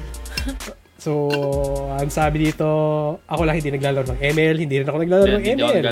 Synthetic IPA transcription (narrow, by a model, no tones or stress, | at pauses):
so | ɐŋsaːbɪd̪iːt̪o̞ʔɐko̞lɐŋhɪnd̪inɐɡ̚laːlɐɾnɐŋʔɛmɛlhɪnd̪iɾɪnɐkonɐɡlaːlɐɾnɐŋʔɛːm